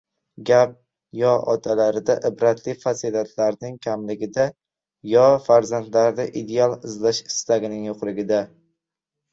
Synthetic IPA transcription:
ɡʲap̚ | jɒʔɒt̪ʰalaɾd̪aʔɪbɾat̪ʰlɪfasilat̪ʰlaɾnɪŋkʲʰamlɪɡʲɪd̪a | jɒfaɾzand̪laɾd̪aʔid̪e̞alˠɪzlaʃɪ̥st̪aɡʲɪnɪŋjoqlˠɪɡʲɪd̪a

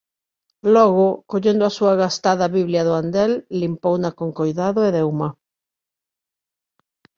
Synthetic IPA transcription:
lɔɣokoʎend̪oasuaɣast̪aðaβiβljaðoand̪elːimpownakoŋkojðaðoeðewma

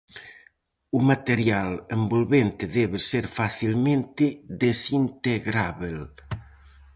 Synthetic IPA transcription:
umat̪eɾjalembolβent̪eðɛβeseɾfaθilmẽnt̪ed̪esint̪eɣɾaβel

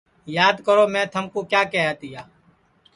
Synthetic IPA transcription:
jaːd̪kəɾoːmɛ̃ːt̪ʰəmkoːkjaːkɛːaːt̪ɪjaː

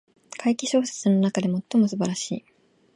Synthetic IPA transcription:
kʰaikʲiɕo̞ːse̥t͡sɨno̞nakad̪e̞mo̞t̪ːo̞mo̞sɨbaɾaɕḭː

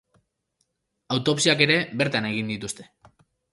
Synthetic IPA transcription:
awt̪o̞psiake̞ɾe̞βe̞ɾt̪ane̞ɣ̞ind̪it̪ust̪e̞̥

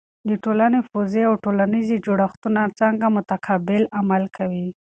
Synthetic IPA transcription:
d̪əʈolanefozeawʈolanized͡ʒoɽaxt̪unat͡saŋɡamʊt̪akʰɑbɪlamalkʰawi

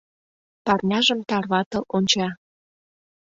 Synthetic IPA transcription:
pɑrnʲɑʒəmt̪ɑrβɑt̪ɤ̆ʔonʲt͡ɕɑ

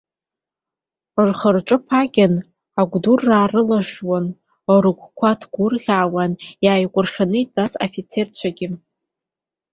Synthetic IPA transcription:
rχərʈ͡ʂʼɨpʰaɡʲɪn | aɡʷdurːaːrɨlaʒwan | oɾɨkʷʰkʷʰatʰɡ̥ʷʊrʁʲaːwanjaːjkʷʼʊrʂanɨitʼasofit͡sʰe̞rt͡ɕʷʰaɡʲɪ

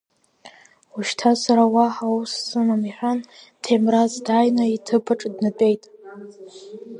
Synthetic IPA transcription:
uʃtʰasaɾawaħawsːɨmamiħʷᶣantʰemrazdajnaitʰɨpʰaʈ͡ʂʼdnɨpʼe̞jtʼ

